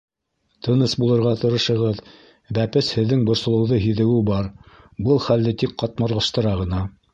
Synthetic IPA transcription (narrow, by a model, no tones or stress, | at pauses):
t̪ʰɤ̆nɤsbulˠɤ̆ɾʁɑt̪ɤ̆ɾɤ̆ʃɤ̆ʁɤð | bæpɘshɘ̆ðːɘŋbŏɾsŏlˠɤ̆wðɤɦiðɘ̆wɘbɑɾ | bɤlˠχæld̪ɘt̪ik̚qɑt̪̚mɑɾlˠɑʃt̪ɤ̆ɾɑʁɤ̆nɑ